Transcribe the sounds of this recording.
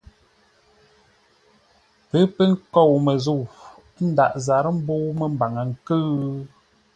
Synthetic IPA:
pə˨˦pə˦ŋ̩˦kɔ˦˨wmə˨zu˦˨w | n̩˦da˨ʔza˨ɾə˦m̩˦bo˦wmə˨m˦ba˨ŋə˨ŋ̩˨kɨ˦

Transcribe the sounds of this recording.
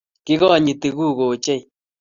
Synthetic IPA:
kɪ˦ɣɔ˦˨ɲi˨t̪e˨ɣu˦˨ɣo˨t͡ʃe˦j

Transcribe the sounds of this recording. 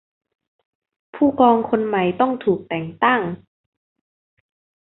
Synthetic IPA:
pʰuː˥˩kɔː˧ŋkʰo˧nma˨˩jt̪ɔ˥˩ŋt̪ʰuː˨˩k̚t̪ɛː˨˩ŋt̪a˥˩ŋ

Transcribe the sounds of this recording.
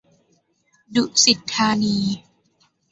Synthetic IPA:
du˨˩ʔsi˨˩t̪ʰːaː˧niː˧

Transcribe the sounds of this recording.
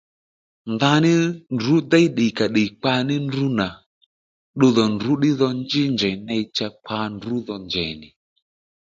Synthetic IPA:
nða˧˦nɪ˦ndu˨˦dɛ˦i˦ɗɪ˨ka˨ɗe˨k͡pa˧nɪ˦ndu˦na˨ | ɗo˧ðɔ˨ndu˨˦ɗɪ˦ðɔ˧nd͡ʒɪ˦ɲd͡ʒɛ˨nɛ˧i˦t͡ʃa˧k͡pa˧˦ndu˨˦ðɔ˧ɲd͡ʒɛ̰˨nɪ˨

